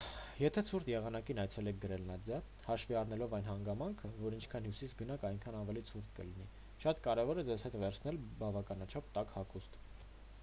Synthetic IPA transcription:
jɛt̪ʰɛt͡sʰuɾt̪jɛʁɑnɑkinɑjt͡sʰɛlɛk̚ʰɡəɾɛlnɑd͡z̪jɑ | hɑʃviɑɾnɛlɔvɑjn̪ɦɑŋɡɑmɑŋkʰəvɔɾint͡ʃʰkʰɑnɦjusisɡənɑkɑjŋkʰɑnɑvɛlit͡sʰuɾt̪kə̰lini | ʃɑt̪kɑɾɛvɔɾɛd͡zɛzhɛt̪vɛɾt͡sʰn̪ɛlbɑvɑkɑnɑt͡ʃʰɑp̚t̪ɑkhɑkust̪

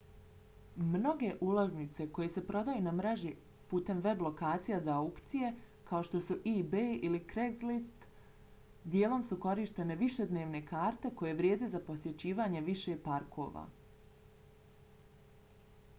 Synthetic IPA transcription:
mno̞ɡe̞ʔulˠaznit̪se̞ko̞je̞se̞pɾo̞d̪ajunamɾaʒi | puːt̪e̞mʋe̞blˠo̞kaːt̪sijazaaukt̪sije̞ | kao̞ʃt̪o̞suʔibeilikɾeɡ̪list̪ | d̪jeːlˠo̞msuko̞ɾiʃt̪e̞ne̞ʋiʃe̞d̪ne̞ːʋne̞kaːɾt̪e̞ko̞je̞ʋɾʲjeːd̪ezapo̞sje̞t͡ɕiːʋaːɲe̞ʋiʃe̞paɾkʰo̞̰ʋa̰ː

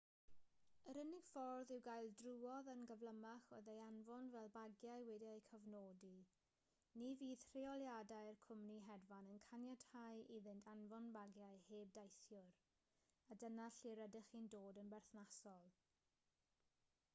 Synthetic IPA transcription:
əɾənɪɡ̥fɔrðɪwɡajlˠdruːɔðənɡəvlˠəmaχo̰ðejanvɔnvɛlˠbaɡjajwɛdiajkʰəvnoːdi | niviːð̥r̥ɪɔlˠjadajrkʰʊmniɦɛdvanənkʰanjad̥hajiðɪntʰanvɔnbaɡjajheːb̚dajθjʊɾ | adənaɬiɾədɪχindoːdənbɛrθnasɔlˠ

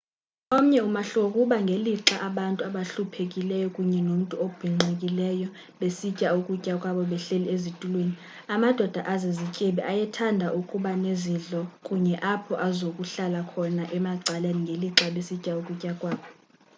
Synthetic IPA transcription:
om̩ɲɛumaɬokʼuɓaŋɡʱeliǁaʔaɓantʼuaɓaɬupʰekʼilɛjɔkʼuɲɛnom̩tʼuob̥ʱiŋ͡ǀʱekʼilɛjɔ | ɓesicʼaukʼucʼakʼwaɓɔɓɛɬeliezitʼulweni | amad̥ʱɔd̥ʱaʔazezicʼɛɓɛʔajɛtʰandʱaʔukʼuɓaneziɮɔkʼuɲɛʔapʰɔʔazokʼuɬalakʰɔnaʔɛmaɡ͡ǀʱaleniŋɡʱeliǁaɓesicʼaukʼucʼakʼwaːɓɔ

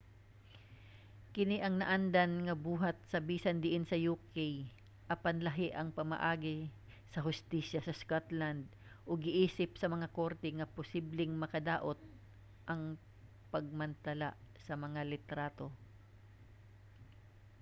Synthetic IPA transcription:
kɪniʔɐŋnɐʔand̪ɐnŋɐbuːɦɐt̪̚sɐbiːsɐnd̪ɪʔɪnsɐjukɛj | ʔɐpanlɐɦɪʔɐŋpɐmɐ̰ʔaːɡɪ | sɐɦʊst̪iːʃɐsɐskot̪land̪̚ | ʔoɡɪʔiːsɪp̚sɐmɐŋako̞ɾt̪ɛŋɐpʊsiblɪŋmɐkɐd̪aːʔo̞t̪̚ | ʔɐŋ | pɐɡ̚mɐnt̪ɐlasɐmɐŋalɪt̪ɾaːt̪o̞

